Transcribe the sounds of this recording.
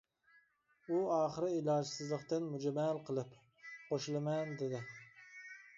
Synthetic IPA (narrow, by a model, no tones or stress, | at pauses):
uɑːχəɾɨilˠɑːd͡ʒsɨzlˠəqt̪ɨnmud͡ʒɛmælqʰəlˠɨp | qoʃlˠɨmɛnd̪ɪd̪ɪ